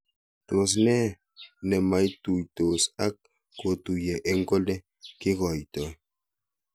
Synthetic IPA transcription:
to˨s̬nɛ˦ | nɛ˨ma˨˦jtu˨jto˨sa˦kː | o˨tu˨jɛ˨ʔe˦ŋ˦ko˦lɛ˦ | ki˦ɣɔ˨jtɔ˨

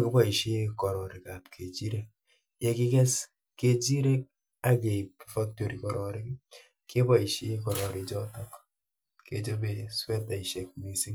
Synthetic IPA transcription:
kɪ˦bɔ˦i˨ʃe˦kɔ˨ɾɔ˨ɾi˨ka˨p̚kʰe˨d͡ʒi˦ɾe˦k̚ | jɛ˨kɪ˦kɛ˦s | ke˨d͡ʒi˦ɾe˦k̚ | a˦ɡe˨pfa˦k̚to˨ɾi˨kɔ˨ɾɔ˨ɾɪ˦k | kɪ˦bɔ˦i˨ʃe˦kɔ˨ɾɔ˨ɾi˨d͡ʒɔ˦tɔ˦k | ke˨d͡ʒo˦be˨swɛ˦ta˨i˨ʃe˨k̚mi˨si˦ŋ

